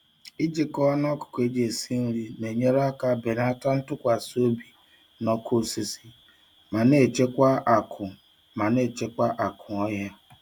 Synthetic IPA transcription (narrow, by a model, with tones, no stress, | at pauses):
i˦d͡ʒe˨kɔ˦a˦n˦ɔ˦kʊ̥˨ke˦d͡ʒe˨e˨si˦n̩˦li˦ne˨ɲe˦ɾa˦ka˦be˨na˦ta˦n̩˦tʊ˦kʷa˨so˦bi˨ | nɔ˦kʰo˦˨si˦si˦ | ma˨ne˨t͡ʃe˦kʷa˦˨kʊ˨ | ma˨ne˦˨t͡ʃe˦kʷa˦ʔa˨kʰʊ˨ɔ˦ja˦